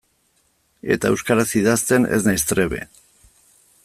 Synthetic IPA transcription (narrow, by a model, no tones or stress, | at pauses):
e̞̰t̪aewskaɾasiðast̪e̞ne̞̰znajst̪ɾeβe̞̰